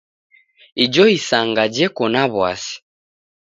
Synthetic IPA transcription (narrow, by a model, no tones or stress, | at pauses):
id͡ʒɔisaŋɡad͡ʒɛkɔnaβwa̰si̥